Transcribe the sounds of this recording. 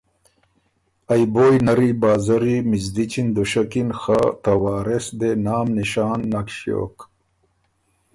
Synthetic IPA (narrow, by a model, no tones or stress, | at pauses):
ɐjboːjnɐɾibaːzɐɾimizd̪it͡ɕind̪uʃɐkinxat̪ɐwaːɾesd̪enaːmniɕaːnːɐkɕjo̰ːk